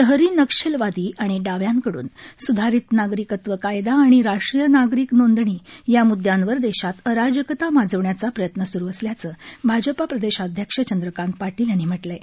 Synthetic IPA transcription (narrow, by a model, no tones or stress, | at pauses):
əɦəɾiːnəkʂelʋad̪iːʔaɽ̃iɖaʋjãŋkəɽṵːnsud̪ʱaɾit̪naɡɾikət̪ʋəkajd̪aːɽ̃iɾaʂʈɾijənaɡɾiːknond̪ɳiːjamud̪ʱjãnʋəɾd̪eɕat̪əɾad͡ʑjəkət̪amad͡zəʋɳjat͡sapɾəjət̪nəsuɾuːəsljat͡səːbʱad͡ʑəpapɾəd̪eɕad̪ʱjəkʂət͡ɕənd̪ɾəkãnt̪ʋaʈiljanːiːm̤əʈle